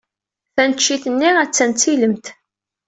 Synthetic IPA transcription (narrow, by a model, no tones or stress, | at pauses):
θænət͡ʃːiθənːiʁæt͡sːænt͡siləmt̪